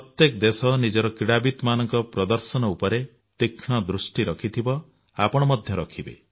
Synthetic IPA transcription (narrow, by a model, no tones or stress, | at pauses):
pɔt̪jekɔd̪esɔnid͡ʒɔɾɔkɾiɽabit̪ɔmanɔŋkɔpɾɔd̪ɔɾsɔnɔupɔɾe | t̪ikʰɳ̃ɔd̪ɾusʈiɾɔkʰit̪ʰibɔ | apɔɽ̃ɔmɔd̪ʱjɔɾɔkʰibḛ